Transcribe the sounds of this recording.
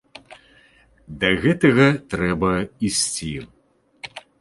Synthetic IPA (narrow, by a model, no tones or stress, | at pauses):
d̪ɐɣɛt̪ɐɣɐt̪ɾɛbɐisʲt͡sʲi